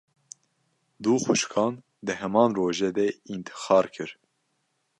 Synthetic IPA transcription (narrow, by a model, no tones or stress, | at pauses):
d̪uːxuʃkʰɑːn | d̪ɨɦɛmɑːnroːʒɛd̪ɛint̪ʰɨ̥xɑːɾkʰɨɾ